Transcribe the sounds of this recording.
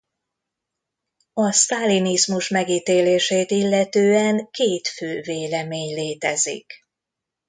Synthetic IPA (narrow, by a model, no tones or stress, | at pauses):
ɒst̪alinizmuʃmɛɡiːt̪eːleːʃeːt̪ilːɛt̪øːɛŋkeːt̪føːveːlɛmeːɲleːt̪ɛzḭk